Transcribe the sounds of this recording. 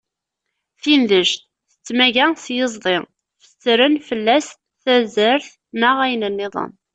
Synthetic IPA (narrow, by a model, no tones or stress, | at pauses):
θinðəʒt̪ | θə̥t͡sːmæʝæsjəzˤðˤi | fə̥t͡sːɾənfəlːæs | θæzəɾθ | nəʁæjənənːɪðˤə̰n